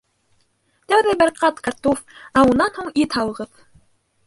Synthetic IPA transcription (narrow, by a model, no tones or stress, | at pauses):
t̪æwðæbæɾqɑt̪kaɾt̪ofæunːɑnhuɴit̪hɑlˠɤ̆ʁɤð